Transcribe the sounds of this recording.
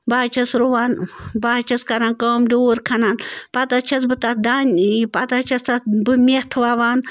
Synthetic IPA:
baːt͡ʃʰɐsɾuʋaːnbat͡ʃʰɐskɐnaːnkoːmdoːɾkʰɐnanpɐt̪at͡ʃʰɐsbɨt̪atd̪aːnʲpat̪at͡ʃʰɐst̪atbɨmʲeht̪ʰʋaʋaːn

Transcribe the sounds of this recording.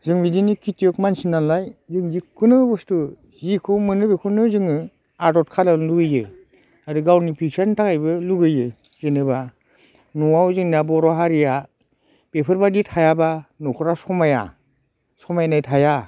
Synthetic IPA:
zɯŋbidinikʰitjɔkmansinːanlajzɯŋzikʰɯnɯbɔstu | zikʰɔmɯnɯbekʰunɯzɯŋɯ | adɔt̚kʰalaluɡɯjɯ | adɯɡawnipʰiksantʰakajbɯluɡɯjɯ | zɯnɯba | nuawzɯŋniabɔɾɔɦaɾija | b̥epʰɯɾbaditʰajabanɔkʰɔɾasɔmaja̰ | sɔmajanajtʰaja

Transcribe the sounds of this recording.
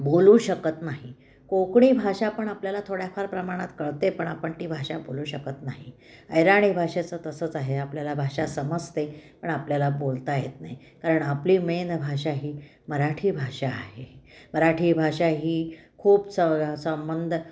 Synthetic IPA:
boluːɕəkət̪naɦi | kokɳ̃iːbʱaʂapəɳapljalat̪ʰoɽjafaɾpɾəmaɽ̃at̪kəɭt̪epəɳapəɳt̪iːbʱaɕaboluːɕəkət̪naɦi | əjɾaɽ̃iːbʱaʂet͡sət̪əsəːt͡saɦeapljalabʱaʂasəməd͡zt̪epəɳapljalabolt̪ajet̪naɦi | kaɾəɳapliːmenbʱaɕaɦiː | məɾaʈʰiːbʱaʂa̰ːɦeməɾaʈʰiːbʱaɕaɦiːkʰuːpsəsəmbənd̪ʱ

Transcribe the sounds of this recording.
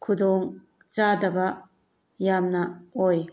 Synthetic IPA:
kʰudoŋ | t͡ʃadɐbɐ | jamnɐoj

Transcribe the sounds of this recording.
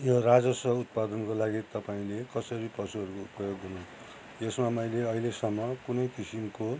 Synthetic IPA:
jorad͡zʌsʌɦut̪̚pad̪ʌnkolaɡit̪ʌpaĩlekʌsʌɾipʌsuɦʌɾukoupʌjoɡʱɦunũ | esmamʌjleʌɦilesʌmːʌkunʌjkisimko

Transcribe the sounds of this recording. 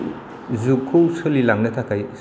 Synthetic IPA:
zukʰuwsɯlilaŋnɐtʰakʰaj

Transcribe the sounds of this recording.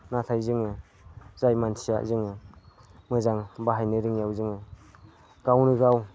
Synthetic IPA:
natʰajzɯŋɯ | zajmansʰija̰ʔzɯŋɯ | mɯzaŋbaɦajnɯɾɯŋjawzɯŋɯ | ɡ̥awnɯɡaw

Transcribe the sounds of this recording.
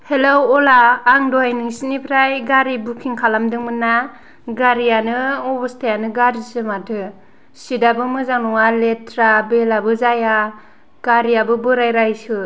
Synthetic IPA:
helowɔlaːŋdɔajnɯŋsinipʰɾajɡaɾibukʰiŋkʰalamdɯŋmɯnːa | ɡaɾianɯɔbɯstajanɯɡaɾisɯmatʰɯ | sidabɯmɯzaŋnɔŋaletʰɾabelabɯzaja | ɡ̥aɾijabɯbɯɾajɾajsɯ

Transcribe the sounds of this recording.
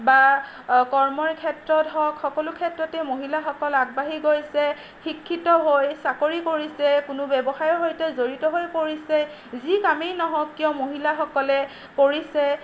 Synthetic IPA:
ba | kɔɹmɔɹkʰɛtɹɔtɦɔkxɔkɔlʊkʰɛtɹɔtɛmoɦilaxɔkɔlaɡ̚baɦiɡojsɛ | xikʰːitɔɦojsakoɹikoɹisɛkʊnʊbɛbɔxaɹɔɦojtɛzoɹitɔɦojpoɹisɛ | zikamejnɔɦɔkːiɔ̃moɦilaxɔkɔlɛ | poɹisɛ

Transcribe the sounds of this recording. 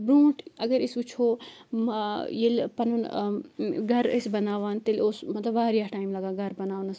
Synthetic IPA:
bɾũːʈʰɐɡɐɾisut͡ʃʰoː | jelpɐnun | ɡʱɐɾisbɐnaːʋaːnt̪eloːsmɐt̪lɐbaːɾjaːʈaːimlɐɡaːɡʱɐɾbɐnaːʋwnɐs

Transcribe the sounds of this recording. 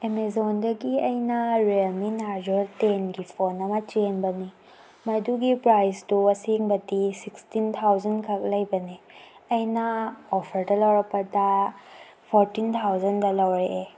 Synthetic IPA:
emezondɐɡiɐjnɐɾeminaɾd͡ʒoɾtenɡipʰonɐmɐt͡ʃenbɐni | mɐduɡipɾajstuɐseŋbɐdisikstint̪ʰawzɐnkʰɐk̚lɐjbɐniɐjnɐopʰɐɾdɐlɐwɾɐk̚pːɐdɐ | pʰoɾtint̪ʰawzɐndɐlɐwɾeʔe

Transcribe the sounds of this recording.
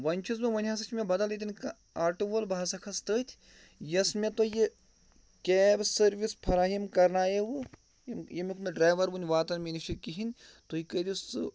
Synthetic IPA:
ʋɐnʲt͡ʃʰuz̬mʲeʋɐnʲɦaːs̬ɐt͡ʃʰmʲebɐd̪ɐlit̪ʲinʲkɐ | aːʈuʋɐlbʱaːsɐkʰɐst̪əːt̪ʲʰ | jɐsmʲet̪oje | kʲeːbsɐɾʋispʰɐɾaːɦimkɐɾnaːjeʋɨ | jmjemʲikmeɖɾaːjʋɐɾʋunʲʋaːt̪ɐnmʲiniʃikiɦinʲ | t̪oikəd̪isɨ

